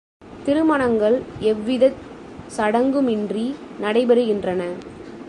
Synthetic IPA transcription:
t̪ɪɾɯmɐɳɐŋɡɐɭɛʋːɪðɐt̪ | sɐɽɐŋɡɯmɪndrinɐɽɐɪbɛɾɯɣɪndrɐnɐ

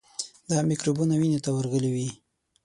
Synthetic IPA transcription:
d̪amikɾubunawinet̪awəɾɣəliwi

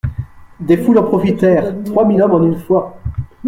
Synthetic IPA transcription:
d̪efulɑ̃pχɔfit̪ɛːʁt̪χwamilɔmɑ̃nynfwa

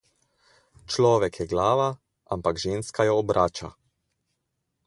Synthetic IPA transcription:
t͡ʃlɔːʋɛkjɛɡlaːʋa | ʔa̰mpaɡʒeːnskajɔːbɾaːt͡ʃa̰

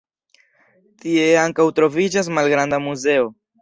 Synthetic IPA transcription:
t̪ieaŋkawt̪ɾo̞vid͡ʒas̬malɡɾand̪amuzeo

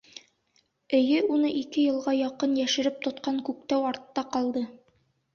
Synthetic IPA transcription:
ɘ̆jɘunɤʔikɘjɤ̆lˠʁɑjɒqɤnjæʃɘ̆ɾɘp̚t̪ŏt̪qɑŋkʉk̚t̪æwɑɾt̪ːɑqɒlˠd̪ɤ

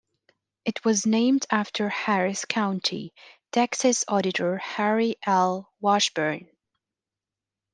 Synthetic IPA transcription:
ɨt̚ʰwʌznẽɪ̃mdæftʰə˞hæɹɪskʰãʊ̃ntʰḭtʰɛksɨsɔɾɨɾə˞hæɹiʔɛlˠ | wɑʃb̥ə˞n

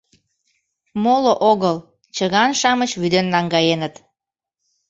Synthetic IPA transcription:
moloʔoɣəl | t͡ɕəɣɑnʃɑmət͡ɕβyd̪enːɑŋɡɑjenət̪

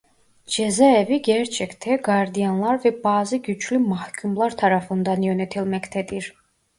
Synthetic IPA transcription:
d͡ʒɛzæɛviɟɛɾt͡ʃʰɛkt̪ʰɛɡɑɾd̪ijanlˠɑɾvɛbaːziɟyt͡ʃʰlymɑhkʰymlˠɑɾt̪ʰɑɾɑfɯnd̪ɑnjønɛt̪ʰilmɛct̪ʰɛd̪iɾ

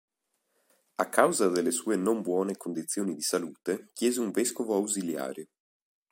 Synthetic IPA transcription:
akːawzad̪elːesuːenombwɔːnekond̪it̪sːjoːnid̪isaluːt̪ek̟jɛːzeuɱveskovoawzilja̰ːɾe

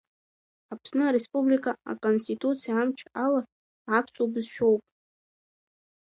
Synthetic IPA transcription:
apʰsnɨaɾespublikʰʼaa̰kʼonstitʼut͡sʰijaamt͡ʃʰaala | ʕat͡sʷʼobɨzʃᶣo̞wpʼ

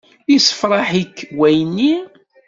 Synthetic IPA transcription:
jisə̥fɾˤɑħikːwæjnːi

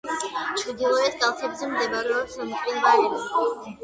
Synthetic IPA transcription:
t͡ʃʰɾd̪ilˠɔɛt̪̚kʼalˠsʰɛbzɛmd̪ɛbaɾɛɔsamt̪ʼɾinbaɛɾɔ

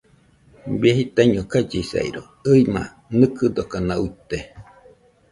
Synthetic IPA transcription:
bieɦit̪aɲokad͡ʒisa̰ḭɾo | ɨima̰ | nɨkɨd̪okanauit̪e

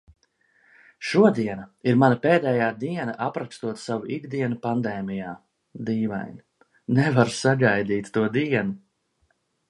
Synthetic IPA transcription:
ʃuɔd̪iɛnɐiɾmanɐpeːd̪ɛːjaːd̪iɛnaʔapɾakst̪uɔt̪savuiɡd̪iɛnupand̪ɛːmijaː | d̪iːva̰jn | nɛvaɾsaɡajd̪iːt̪ːuɔd̪iɛnu

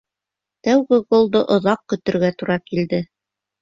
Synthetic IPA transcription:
t̪æwɡɘɡolˠd̪ɤʔŏðɑq̚kɵ̆t̪ɘ̆ɾɡæt̪uɾɑkild̪ɘ

